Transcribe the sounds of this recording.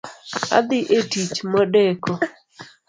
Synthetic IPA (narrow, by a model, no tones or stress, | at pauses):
a̰d̪ɪʔetit͡ʃmɔdɛkɔ